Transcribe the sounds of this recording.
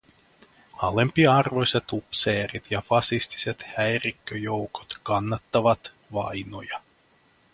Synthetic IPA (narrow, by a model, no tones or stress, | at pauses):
ɑlempiɑɑrʋo̞jsʲet̪upseːrit̪jɑfɑsist̪i̥set̪hæjrikːøjowko̥t̪kɑnːɑt̪ːɑʋɑt̪ | ʋɑ̰jno̞jɑ